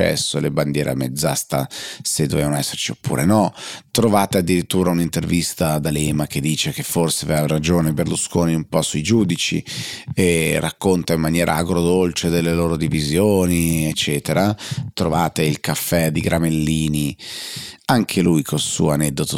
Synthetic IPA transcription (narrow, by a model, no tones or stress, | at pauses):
ɛ̰sːoleband̪jɛːɾḛa̰med̪zːa̰st̪ased̪ːovevanoɛsːert͡ʃiopːṵːɾʔḛnɔt̪ɾovaːt̪ead̪ːiɾit̪ːuːɾaunint̪ervist̪ad̪alɛːmaked̪ːiːt͡ʃekefːorseaveaɾad͡ʒoːneberluskoːniumpɔsuid͡ʒuːd̪it͡ʃḭerʔakːont̪aimːanjɛːɾʔa̰aɡɾod̪olt͡ʃed̪elːeloːɾod̪ivizjoːniet͡ʃːɛːt̪eɾat̪ɾovaːt̪eilkafːɛd̪iɡɾʔamelːiːni | aŋkʰelujkʰolsṵːanɛd̪ːot̪o